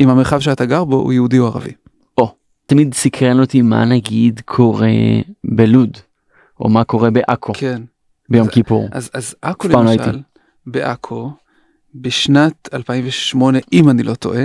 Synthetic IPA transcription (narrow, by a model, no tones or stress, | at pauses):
imhameχavʃeat̪aɡaʁboṵjehudioaʁa̰vḭ | ʔo̞ | t̪amid̪sikʁenot̪ima̰naɡidkʰo̞ʁḛbelud | ʔo̞̰mako̞ʁe̞beʔakʰoken | bejo̞mkipṵʁazazakolpamait̪il | beʔakʰo | beʃnat̪alpaiɱveʃmo̞ne̞ʔimanilʔo̞to̞̰ʔe